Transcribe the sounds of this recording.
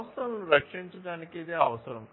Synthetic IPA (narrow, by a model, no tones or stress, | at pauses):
st̪ɐnɐnuɾɐkʂiɲt͡ʃɐɽaːnikid̪eɐʋɐsɐɾɐm